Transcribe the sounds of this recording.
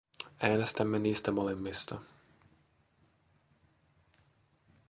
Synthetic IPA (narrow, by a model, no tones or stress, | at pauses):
æːnest̪æmːeniːst̪æmolemːist̪ɑ